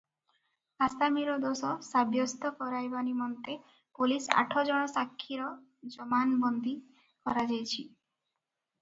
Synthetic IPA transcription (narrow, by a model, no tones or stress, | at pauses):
ast̪amiɾɔd̪osɔsabjɔst̪ɔkɔɾajbanimɔnt̪e | pulisa̰ʈʰɔd͡ʒɔɽ̃ɔsakʰːiɾɔ | d͡ʒɔmanbɔnd̪ʱi | kɔɾad͡ʒajt͡ʃʰi